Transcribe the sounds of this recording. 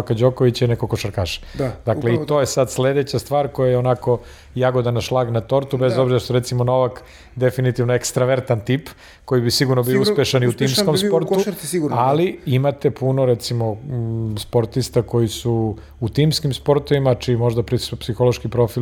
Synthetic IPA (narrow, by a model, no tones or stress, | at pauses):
kad͡ʑokoʋit͡ɕainekokoʃaɾkaːʃḁd̪akleit̪o̞jesad̪sle̞d̪et͡ɕast̪ʋaːɾko̞jajeonako̞ | jaɡo̞d̪anaʃlˠaɡnat̪o̞ɾt̪ubezo̞bziɾaʃt̪oɾet̪simono̞ʋak | d̪efinit̪iʋnoekst̪ɾaʋeɾt̪ant̪iːp | kojibisiɡuɾnobiouspjeʃaniut̪iːmskomppo̞ɾt̪uɡualiimat̪epʰunoɾet̪simo̞spoɾt̪ist̪ako̞jisu | ut̪iːmskimspo̞ɾt̪oʋimat͡ʃimo̞ʒd̪apɾispsixolˠoʃkipɾo̞fil